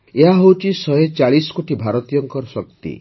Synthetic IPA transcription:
eɦaɦowt͡ʃʰisɔɦet͡ʃaɭisɔ̥koʈibʱaɾɔt̪ijɔŋkɔɾɔsɔk̚t̪ḭ

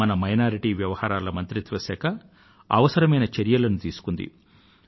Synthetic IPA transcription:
ɐnɐmɐjnaːɾiʈiːʋjɐʋɐhaːɾaːlɐmɐnt̪ɾit̪ʋɐsɛːkɐ | ɐ̰ʋɐsɐɾɐmɐjnɐt͡ʃeɾjɐlɐnut̪iːsu̥kund̪ḭ

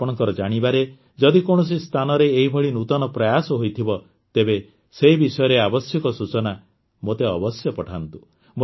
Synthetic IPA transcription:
pɔɽ̃ɔŋkɔɾɔd͡ʒaɽ̃ibaɾe | d͡ʒɔd̪ikoɽ̃ɔs̬ist̪ʰanɔɾeːɦibʱɔɭinut̪ɔnɔpɾɔjasɔɦojt̪ʰibɔ | t̪ebe | seibisɔjɔɾeabɔsjɔkɔsut͡ʃɔna | mot̪eɔbɔsjɔpɔʈʰant̪u | mo

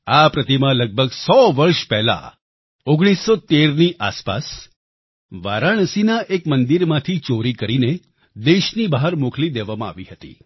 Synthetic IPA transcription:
apɾət̪imãləɡ̚bʱəɡsɔʋəɾʃpɛɦla̰ | oɡɽ̃isːot̪eɾniʔa̰spa̰s | ʋaɾaɳ̃sinaʔekmənd̪iɾmãt̪ʰit͡ʃoɾikəɾine | d̪eʃnibaɦaɾmoklid̪eʋamãa̰ʋiɦət̪ḭ

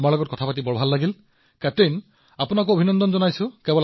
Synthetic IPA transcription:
maɹlɔɡɔt̚kɔtʰapatibɔɹbʱalːaɡil | katejn | apunak̬oobʱinɔndɔnzɔnajsʊ̃kɛbɔl

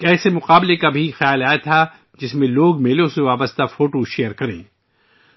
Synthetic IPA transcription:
kɛːsemʊqaːblekabʱixjaːlaːat̪ʰa | d͡ʒɪsmẽloːɡmeːlõseʋaːbəst̪afoːʈoʃejəɾkɐɾḛ̃ː

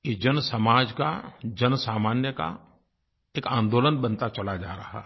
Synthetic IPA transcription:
jed͡ʒɐnsɐmaːd͡ʒka̰d͡ʒɐnsaːmaːnjəka̰ | eːkãːnd̪oːlənbɐ̃nt̪at͡ʃɐlad͡ʒa̰ːɾɐɦa̰ɦ

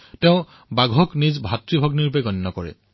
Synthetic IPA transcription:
tɛʊ̃ | baɡʱɔknizbʱatɹibʱɔɡniɹupɛɡɔnːɔkɔɹɛ̰

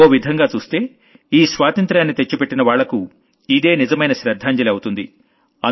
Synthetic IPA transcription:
oːʋid̪ʱɐŋɡaːt͡ʃuːst̪e̞ː | iːsʋaːt̪ɐnt̪ɾaːnːit̪e̞t͡ʃːupeʈːinɐʋaːɭːɐku | id̪e̞ːnizɐmɐjnɐʃɾɐd̪ʱːaːɲd͡ʒɐlɐwut̪und̪i | ɐ

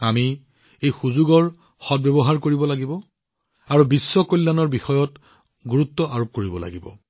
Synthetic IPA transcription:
ami | ejxuzuɡɔɹ | xɔt̚bɛbɔɦaɹkoɹibɔlaɡibɔ | aɹubisːɔkojlːanɔɹbixɔjɔt | ɡuɹutːɔʔaɹop̚koɹibɔla̰ɡibɔ̰

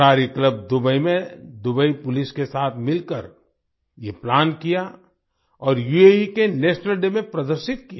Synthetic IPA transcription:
aːɾikləb̚d̪ʊbəimẽd̪ʊbəipʊlɪskesaːt̪ʰmɪlkəɾ | jeplaːnkija | ɔːɾjueikeneːʃnəlɖemẽpɾɐd̪əɾʃɪt̪̚kija

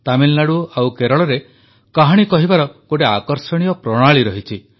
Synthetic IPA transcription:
t̪amilːaɽuawkeɾɔɭɔɾe | kaɦaɽ̃ikɔɦibaɾɔkoʈeakɔɾsɔɽ̃ijɔpɾɔɽ̃aɭiɾɔɦit͡ʃʰi

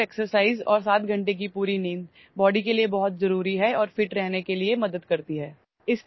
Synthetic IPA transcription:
eːksəɾsaːɪzɔːɾs̬aːt̪ɡʱɐ̃ɳʈek̬ipuːɾiniːn | bɔːɖikeliebɔɦʊt̪zɐɾuːɾiɦɛɔːɾfɪʈɾɛɦnekeliemɐd̪əd̪kɐɾt̪iɦɛː | ɪs

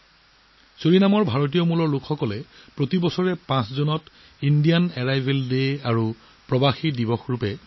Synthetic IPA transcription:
soɹinamɔɹbʱaɹot̬ijɔmulɔɹlʊkʰxɔkɔlɛpɹotibɔsɔɹɛpãszonɔt | indijanɛɹajbʱeldejaɹu | pɹɔbaxidibɔxɹupɛ

